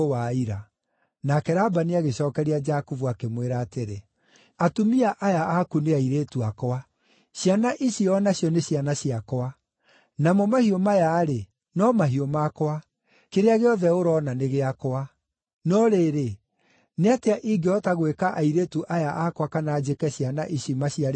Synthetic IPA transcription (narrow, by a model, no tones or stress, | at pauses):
owaiɾa | nakɛɾabaneaɣeɕɔːkɛɾiad͡ʒakuvuakemweɾaːteɾe | atumiaʔajaakuneaiɾeːtuakoa | ɕjanaʔiɕiɔnaɕjɔneɕjanaɕiakɔa | namɔmahiomajaːɾe | nɔmaɦiomakwa | keɾeaɣeɔðɛoɾɔːnaneɣeakoa | nɔɾeːɾe | neateaʔiɡeɔtaɣwekaʔaiɾeːtuʔajaʔakwakanaːd͡ʒekɛɕiana̰ʔiɕimaɕia